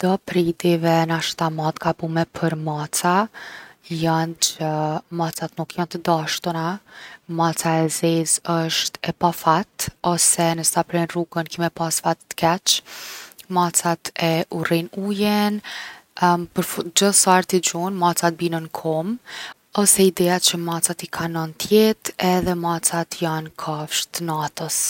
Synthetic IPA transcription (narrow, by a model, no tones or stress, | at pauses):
d̪̥ɔpɾid̪ivɛnaʃt̪amat̪kapumɛpʰəɾmat͡sa | jant͡ʃəmat͡sat̪nukjant̪əd̪aʃt̪unamat͡saɛzɛzəʃt̪ɛpafat̪ɔsɛnəsapɾɛnruɡənkimɛpasfat̪ːə̥kɛt͡ʃ | mat͡sat̪ɛʔurinujɛn | pəɾfd͡ʑəsaɾt̪id͡ʑunmat͡sat̪̚binənkʰɔm | ɔsɛid̪ɛjat͡ɕəmat͡sat̪ikʰanɔnt̪jɛt̪ɛðɛmat͡sat̪jankʰafʃt̪ənat̪əs